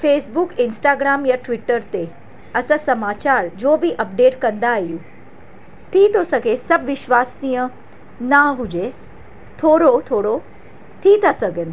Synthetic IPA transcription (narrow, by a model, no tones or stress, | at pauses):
feːsbukɪnsʈaːɡɾaːmjaʈʋɪʈəɾt̪e | ɐsə̃sɐmaːt͡ɕaːɾd͡ʑoːbʱiʔɐpɖeːʈkɐ̃nd̪aːɦijũ | t̪ʰit̪osɐɡʱesɐbʋɪʃʋaːsnijə̃ | naɦud͡ʑe | t̪ʰoːɾot̪ʰoːɽo | t̪ʰit̪asɐɡən